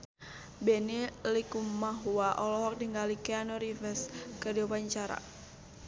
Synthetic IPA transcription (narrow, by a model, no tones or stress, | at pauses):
bɛnilikummaɦuaʔɔlɔɦɔk̚diŋɡalikɛanɔɾifɛskədiupaɲt͡ʃaɾa̰